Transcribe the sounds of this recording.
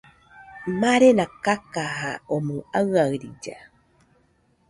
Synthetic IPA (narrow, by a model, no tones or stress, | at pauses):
maɾenakakaɦaomuaaɨɾḭd͡ʒa̰